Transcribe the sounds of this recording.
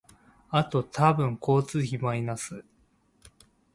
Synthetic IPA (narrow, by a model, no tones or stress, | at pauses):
at̪o̞t̪ʰabɯ̟̃ŋkʰo̞ːt͡sɨçimainasɨ